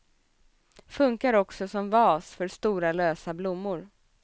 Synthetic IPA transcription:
fɵŋkaɾɔksɔsɔmvɑːsfœɾst̪uːɾaløːsablʊmːʊɾ

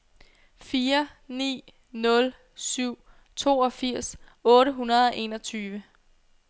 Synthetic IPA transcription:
fiːɐnḭː | nɔ̽l | syʊ̰ | t͡sʰo̝̰ːɒ̽fiɐ̰sɔ̽ːɾəɦunɐðˠɒ̽ʔe̝ːnɒ̽t͡sʰyːʋə

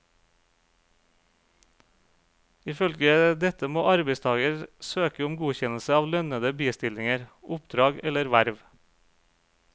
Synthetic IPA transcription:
ɪːfœlɡəd̪ɛt̪əmoːʔɑɾbeɪst̪ʰɑːɡəɾsøːkəʊmɡuːçɛnl̩səɑːʋlœnəd̪əbiːst̪ɪlɪŋəɾʔʊpd̪ɾɑːɡɛləɾʋæɾʋ

